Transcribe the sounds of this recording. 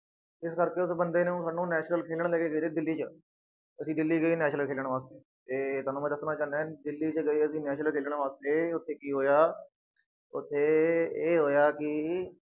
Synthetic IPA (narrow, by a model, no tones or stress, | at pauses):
ɪskəɾkeːʊsbənd̪eːnẽːsaːnːũːnɛːt͡ʃnəlkʰeːləɽ̃lɛːkeːɡəiːɾeːd̪ɪlːiːt͡ʃə | əsĩːd̪ɪlːiːɡəiːnɛːʃnəlkʰeːlɽ̃ʋaːst̪eː | t̪eːt̪aːnũːɛ̃ːd̪əsnãːt͡ʃaːnɛ̃ːd̪ɪlːiːt͡ʃəɡəiːəsĩːnɛːʃəlkʰeːlɽ̃ʋaːst̪eːʊt̪ʰːeːkiːɦoːjaː | ʊt̪ʰːeːeːɦoːjaːkɪ